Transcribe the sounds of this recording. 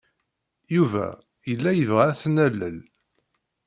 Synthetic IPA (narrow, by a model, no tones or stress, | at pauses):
juvæ̰ | jəlːæjəvʁææθnælːəl